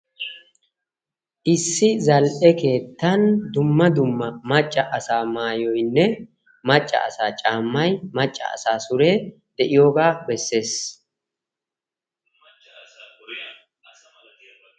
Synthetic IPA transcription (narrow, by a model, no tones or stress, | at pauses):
ʔɪsːɪzɐlʔɛke̞ːt̪ːɐnd̪ʊmːɐd̪ʊmːɐmɐt͡ʃʼːɐʔɐsaːmaːjɔjnːɛ | mɐt͡ʃʼːɐ̰ɐsaːt͡ʃʼaːmːɐjmɐt͡ʃʼːɐ̰ɐ̰saːsʊɾe̞ː | d̪̥ɛʔɪjo̞ːɡaːbɛsːe̞ːs